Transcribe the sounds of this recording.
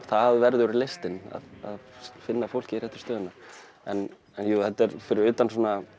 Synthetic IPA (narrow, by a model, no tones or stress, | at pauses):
θaðvɛɾðʏɾɪɾlejst̪ɪna̰ða̰ðfɪnːafowl̥cɪiɾɛht̪ːɪ̥st̪œːðʏnːaɾ̥ | ɛn | ɛnjuːθɛt̪ːɛɾfɪɾɪɾʏːt̪ansɔːna